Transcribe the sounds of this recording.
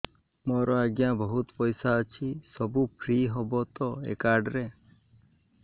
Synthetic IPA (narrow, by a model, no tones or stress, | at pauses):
mɔɾɔaɡjabɔɦut̪pɔjsaət͡ʃʰisɔbupʰɾiɦɔbɔt̪ɔḛkaɾɖɾe